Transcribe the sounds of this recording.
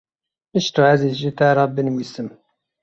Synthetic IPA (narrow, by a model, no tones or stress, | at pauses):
əʃt̪uʕæzizʒit̪æɾˤɑbənwisəm